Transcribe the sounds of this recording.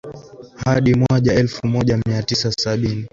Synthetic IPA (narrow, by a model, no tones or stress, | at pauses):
haɗimwaʄaɛlfumɔʄamiatisasaɓini